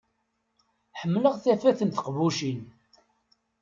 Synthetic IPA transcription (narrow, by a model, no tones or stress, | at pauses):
ħəmːləʁθæfæθənt̪ə̥qvuʃin